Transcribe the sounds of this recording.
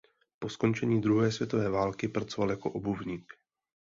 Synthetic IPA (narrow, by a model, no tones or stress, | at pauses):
po̞sko̞nt͡ʃɛɲiːd̪ɾuɦɛːsvjɛt̪o̞vɛːvaːlkɪpɾat͡so̞valjako̞ʔobuvɲiːk